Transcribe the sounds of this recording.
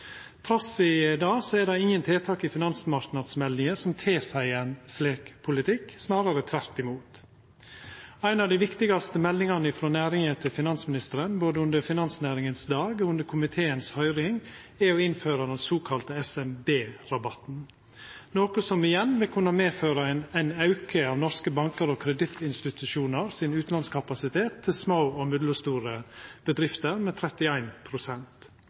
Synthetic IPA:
t̪ʰɾɑsɪd̪ɑːsɔɛd̪ɛɪŋːənt̪ʰeːt̪ʰɑːkɪfɪnɑnsmɑɾknɑd̪smɛld̪ɪŋəsɔmt̪ʰeːsæɪɛnsleːkpʰʊlɪt̪ʰɪkːsnɑːɾəɾət̪ʰʋæɾt̪ɪmuːt̪ | æɪnɑʋd̪ɪʋɪkt̪ɪɡɑst̪əmɛlːɪŋɑnəɪfɾoːnæːɾɪŋət̪ʰɪlfɪnɑnsmɪnɪst̪əɾənboːd̪əʉnd̪əɾfɪnɑnsnæːɾɪŋənsd̪ɑːɡoːʉnd̪əɾkʰʊmɪt̪ʰeːənshœʏɾɪŋɛɔɪnføːɾɑd̪ɛnsoːkʰɑlt̪əɛsɛmbeːɾɑbɑt̪n̩ | noːkʊsɔmɪjɛnːʋɪlkʰʉnːɑmeːføːɾɑɛnæɪnɑʉkʰəɑːʋnɔɾskəbɑŋkəɾoːkʰɾɛd̪ɪt̪ɪnst̪ɪt̪ʉʃuːnəɾsɪnʉːt̪n̩ɑnskʰɑpɑsɪt̪ʰeːt̪ʰːɪlsmoːoːmʏd̪ləst̪uːɾəb̥əd̪ɾɪft̪əɾmɛːt̪ʰɾɛt̪ɪæɪnpʰɾʊsɛnt̪

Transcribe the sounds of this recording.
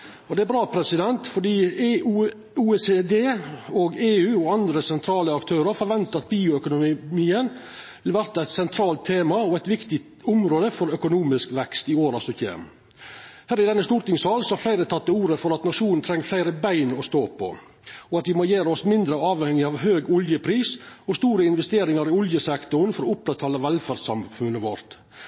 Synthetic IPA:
ɔd̪ɛæbɾɑːpʰɾɛsɪd̪ɛnt̪fɔɖiː | uːɛsed̪eːɔɡeːʉːɔɑnd̪ɾəsɛnt̪ʰɾɑːləɑkt̪ʰøːɾəɾfɔɾʋɛnt̪əɑt̪̚biːʊœkʊnʊmiːən | ʋɪlʋæɾt̪ɑɛɪt̪sɛnt̪ʰɾɑːlt̪ʰːeːmɑɔæɪt̪ʋɪkt̪ɪ | ʊmɾoːd̪əfɔɾœkʊnuːmɪskʋɛkst̪ɪoːɾɑsɔçḛːm | hæːɾɪd̪ɛnːəst̪uːɾt̪ɪŋsɑːlsɔhɑɾflæɪɾət̪ʰɑt̪ːəuːɾəfɔɾɑt̪nɑʂuːnn̩t̪ʰɾɛŋːflæɪɾəbæɪnɔst̪oːpʰɔ̰ | ɔɑt̪ʋɪmojeːɾəɔsmɪnd̪ɾəɑːʋhɛŋːɪɑʋɦøːɡʊljəpʰɾiːsɔst̪uːɾəɪnʋɛst̪eːɾɪŋɑɾɪʊljəsɛkt̪ʊɾnfɔɾɔʊp̚d̪ɛt̪ʰːɑːləʋɛlfæɾsɑmfʉnːəʋɔɾt̪

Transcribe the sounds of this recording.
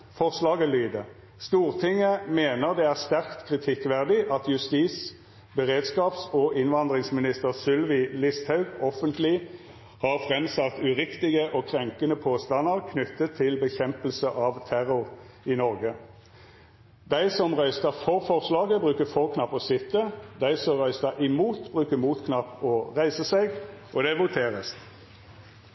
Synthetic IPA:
fɔʁslɑːɡəlyːd̪ə | st̪uːʁt̪ʰɪŋːəmeːnəʁd̪ɛæːʁst̪æʁkt̪kʰʁɪt̪ʰɪkʋæʁd̪ɪʔɑt̪jʉst̪iːs | bəʁeːd̪skɑːpsɔʔɪnʋɑnd̪ʁɪŋsmɪnɪst̪əʁsʏlʋɪlɪst̪hɑʉɡɔfənt̪lɪ | hɑʁfʁɛmsɑt̪ʉʁɪkt̪ɪɡəʔɔːkʰʁɛŋkənəpʰoːst̪ɑnːəʁkʰnʏt̪ːət̪ʰːɪlbəçɛmpəlsəʔɑʋt̪ʰæʁʊʁ | ɪnɔʁɡə | d̪æɪsɔmʁœʏst̪əʁfɔʁfɔʁslɑːɡəbʁʉːkəfɔʁkʰnɑpːɔsɪt̪ːəd̪æɪsɔmʁœʏst̪əʔɪmuːt̪bʁʉːkəmuːt̪kʰnɑpːɔʁæɪsəsɛɡʔɔd̪ɛʋʊt̪ʰeːʁəs

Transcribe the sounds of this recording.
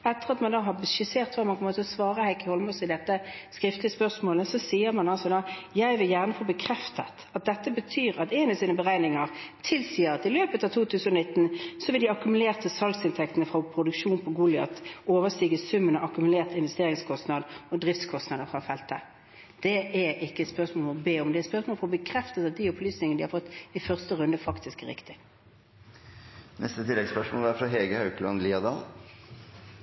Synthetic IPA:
ɛt̪ːəʁɑt̪mɑnd̪ɑːɦɑbəʃɪseːʁt̪ʋɑːmɑnkʰɔmət̪ʰɪlɔsʋɑːʁəhæɪkːəhɔlmɔsɪd̪ɛt̪ːə | skʁɪft̪lɪəspœʁsmoːləsɔsiːəɾmɑnɑlsɔd̪ɑjæɪʋɪljæːʁnəfoːbəkʰɾɛft̪ət̪ɑt̪̚d̪ɛt̪ːəbət̪ʰyːʁɑt̪ɛɪnɑsiːnəbəʁæɪnɪŋəʁt̪ʰɪlsiːəɾɑt̪ɪløːpət̪ɑʋt̪ʰuːt̪ʰʉːsənɔnɪt̪ːn̩sɔʋɪld̪ɪɑkʉmʉleːʁt̪əsɑlsɪnt̪ʰɛk̚t̪ənəfʁɑpʰɾʊd̪ʉkʃuːnpʰɔɡʊlɪɑt̪oːʋəst̪iːɡəsʉmːənəʔɑkʉmʉleːʁt̪ɪnʋɛst̪eːʁɪŋskʰɔst̪nɑd̪ɔd̪ʁɪft̪skʰɔst̪nɑd̪əfʁɑfɛlt̪ə | d̪̥ɛʔɛʁɪkːəɛt̪spœsmoːlfɔbeːɔmd̪ɛt̪spœʁsmoːlfɔbəkʰɾɛft̪ət̪ɑt̪̚d̪iɔplyːsnɪŋnəd̪ɪhɑɾfɔt̪ːɪfœʁst̪əʁʉnd̪əfɑkt̪ɪskʁɪ̰kt̪ɪ | nɛ̰st̪ət̪ʰɪlːɛɡspœʂmoːlʋɑɾfɾɑɦeːɡəhɑʉklɑ̰nliːɑd̪ɑːl

